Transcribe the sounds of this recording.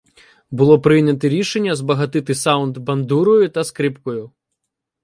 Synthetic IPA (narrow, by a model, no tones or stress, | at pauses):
bulˠɔpɾɨjnʲɐt̪ɛɾʲiʂɛnʲːɐzbɐɣat̪ɨt̪ɨsawnd̪bɐnd̪uɾɔjut̪ɐskɾɨpkɔju